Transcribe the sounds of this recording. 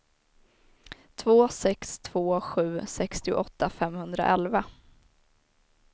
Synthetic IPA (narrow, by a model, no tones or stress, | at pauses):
t̪ʰvoːsɛkst̪ʰv̥oːɧʉ̟ːsɛkst̪ɪʊ̰ʔɔt̪ːafɛmːhɵnd̪ɾa̰ʔɛlva